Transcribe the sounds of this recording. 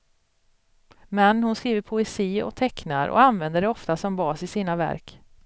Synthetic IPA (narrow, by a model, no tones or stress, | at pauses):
mɛnhʊnskɾiːvəɾpʰʊɛsiːɔ̰k̚t̪ʰɛknaɾʔɔ̰anvɛnd̪əɖɛɔft̪asɔmbɑːsɪsiːnavæ̰ɾk